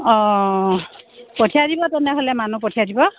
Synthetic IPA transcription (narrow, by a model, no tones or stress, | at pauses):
ɔ̃ | potʰijadibɔtɛnɛɦolɛmanupotʰiadibɔ